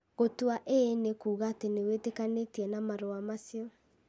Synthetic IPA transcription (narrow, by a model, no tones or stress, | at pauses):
ɣotwaʔenekuːɣaːtenewetekanetiɛnamaɾoamasiɔ